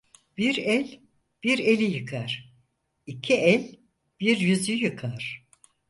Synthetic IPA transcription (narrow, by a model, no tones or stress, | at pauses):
b̥iɾɛlʲ | b̥iɾelʲijɯkʰaɾ̥ | icʰiɛlʲ | b̥iɾjyzyjɯkʰaɾ̥